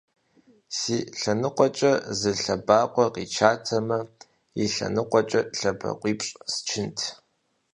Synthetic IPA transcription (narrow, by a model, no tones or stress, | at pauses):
siːɬɐnɨqʷʼɔt͡ʃʼɐzɨɬɐbaːqʷɔqit͡ʃʰaːtʰɐmɐ | iɬɐ̰nɨqʷʼɔt͡ʃʼɐɬɐbɐ̰qʷiːpʼɕʼst͡ʃʰɪntʰ